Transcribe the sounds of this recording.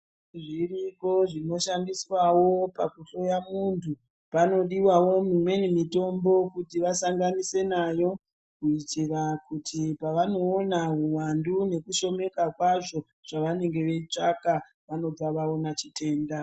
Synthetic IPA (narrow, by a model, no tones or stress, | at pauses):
ʐiriko̞ʐino̞ʃandiswawo̞pakuɬo̞jamuntʰu | pano̞ɗiwawo̞mimwe̞nimito̞mbo̞kutiʋasaŋɡanise̞najo̞ | kuitirakutʰipaʋano̞ːnaɦuwandune̞kuʃo̞me̞kakwaʐo̞ | ʐ̥aʋane̞ŋɡe̞ʋe̞it͡ʂaka | ʋano̞baʋao̞nat͡ʃitʰe̞ːnda